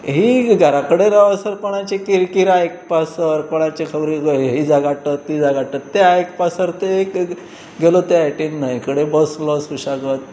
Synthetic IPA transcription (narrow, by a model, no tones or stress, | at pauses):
ɦiɡʱaɾakəɽeɾəʋəsəɾpɔɽ̃ãt͡ɕekiɾkiɾaek̚pasəɾpɔɽ̃at͡ɕekʰəbɾiɦid͡zaɡaʈət̪ːid͡zaɡaʈət̪ːeaekpasəɾt̪eːk | ɡelot̪eajʈinnaikəɽebəslɔsuɕaɡət̪̚